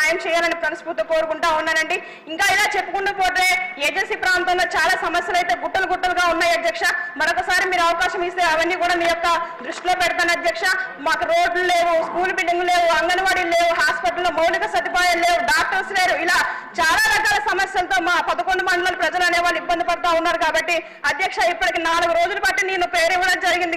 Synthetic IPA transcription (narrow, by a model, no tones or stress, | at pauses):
ajɐmt͡ʃɛːjaːlɐnipɾɐnɐsput̪uko̞ːɾukuɳʈaːunːaːɾɐɳɖi | iŋkaːilaːt͡ʃe̞pːukuɳːupoːʈɐɾeːeːd͡ʒensiːpɾaːnt̪ɐnloːt͡ʃaːlaːsɐmɐsjɐlɐjt̪e̞ːɡuʈːɐlɡuʈːɐlɡaːunːaːjɐd̪jɐkʂɐmɐɾokːɐsaːɾimiːɾuɐʋɐkaːʃɐmist̪eɐʋɐnːiːkuːɽaːmiːjɔkːɐɖɾiʂʈlo̞ːpɛɽɐt̪aːnɐd̪jɐkʂɐmaːkuɾo̞ːɖluleːwuskuːlbilɖiŋɡule̞ːwuɐŋɡɐnɐʋaːɽile̞ːwuɦaːspiʈɐlːoːmɐwlikɐsɐt̪ipaːjɐle̞ːwuɖaːk̚ʈɐɾsle̞ːɾuilaː | t͡ʃaːlaːɾɐkaːlɐsɐmɐsjɐlɐt̪o̞ːmaːpɐd̪ɐkoɳɖumɐɳɖɐlɐlupɾɐd͡ʒɐlɐneːʋaːɭːuibːɐnd̪ipɐɽɐt̪aːunːaːɾukaːbɐʈːi | ɐd̪jɐkʂɐipːɐʈikeːnaːluɡuɾo̞ːd͡ʒulɐpɐʈːineːnupe̞ːɾiʋːɐɽɐnd͡ʒɐɾiɡind̪i